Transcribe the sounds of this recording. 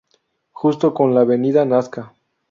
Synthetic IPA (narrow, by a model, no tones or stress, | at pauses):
xust̪o̞ko̞nlaβe̞niðanaska